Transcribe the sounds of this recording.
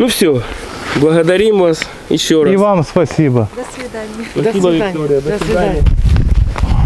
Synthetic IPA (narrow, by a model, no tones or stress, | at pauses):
nufsʲo | blˠɐɣɐd̪ɐɾʲimvas | jɪ̰ɕːoɾivamspɐsʲibə | spɐsibəvʲɪkt̪oɾʲɪjəd̪əsvʲɪd̪anɪj